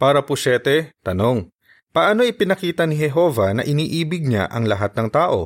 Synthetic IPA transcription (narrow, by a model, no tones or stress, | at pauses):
paːɾɐpʊsɛt̪ɛt̪ɐno̞ŋ | pɐʔaːno̞ɪpɪnɐkiːt̪ɐnɪɦɛɦo̞ːvɐnɐ̰ʔɪniːʔiːbɪɡ̚ɲa̰ʔɐŋlɐɦat̪̚nɐŋt̪aːʔo̞̰